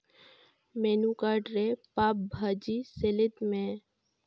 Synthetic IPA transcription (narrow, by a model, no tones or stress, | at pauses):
menukaːɖɾepaːp̚bʱaːd͡ʒiselɪt̪mẽ